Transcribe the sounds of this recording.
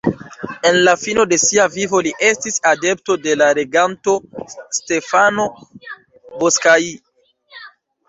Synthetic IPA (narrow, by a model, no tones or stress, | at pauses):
e̞nlafino̞de̞siavivo̞liʔe̞stisade̞pto̞delaɾe̞ɡanto̞ste̞fano̞ | boskai